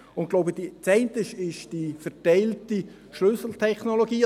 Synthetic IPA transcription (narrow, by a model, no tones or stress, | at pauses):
ʊnt̚ɡloʊbəd̥it͡sɛɪntəʃɪʃd̥ifɛʁtɛɪlti | ʃlʏsl̩t̪ʰɛχnoloɡiː